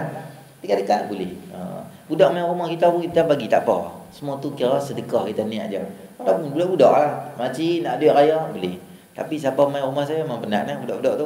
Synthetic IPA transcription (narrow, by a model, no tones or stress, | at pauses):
p̪ikaʔdəkaʔ̚bulɪhə̰budɔʔmajrumahkit̪aukit̪apaɡit̪a̰ʔpɔ̰səmuat̪ukiaɾɔsədəkɔhkit̪ania̰ʔd͡ʒia̰mkalapʊnbudɔʔbudɔʔlahmat͡ʃinaʔdɔʔɾajɔbulɪh | t̪a̰pisapamajrumahs̬ajamaŋpəna̰ʔnahbudɔʔbudɔʔt̪u